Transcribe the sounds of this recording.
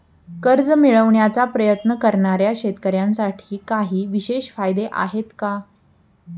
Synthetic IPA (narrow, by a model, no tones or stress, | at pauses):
kəɾd͡zmiɭəʋɳjat͡sapɾəjət̪nəkəɾɳaɾjaɕet̪kəɾjãnsaʈʰiːkaɦiːʋiɕeɕfajd̪eʔa̰ɦet̪ka